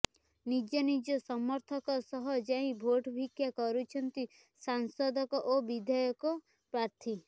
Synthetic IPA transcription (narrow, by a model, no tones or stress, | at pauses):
nid͡ʒɔnid͡ʒɔsɔmɔɾt̪ʰɔkɔsɔɦɔd͡ʒaĩbʱoʈbʱikjakɔɾut͡ʃʰɔnt̪i | sansɔd̪ɔkɔʔobid̪ʱɔjɔkɔ | pɾaɾt̪ʰi